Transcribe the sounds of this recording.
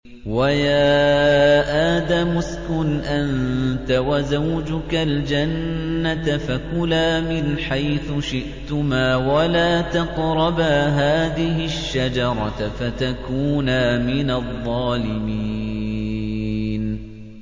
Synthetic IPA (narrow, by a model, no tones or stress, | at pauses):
wajaː | ʔaːd̪amʊskʊnʔant̪awazawd͡ʒʊkald͡ʒanːat̪afakʊlaːmɪnħajθʊʃɪʔt̪ʊmaːwalaːt̪ɑqɾˤɑbaːɦaːðɪɦɪʃːad͡ʒɑɾˤɑfat̪akuːnaːmɪnaðˤːɑːlɪmi | n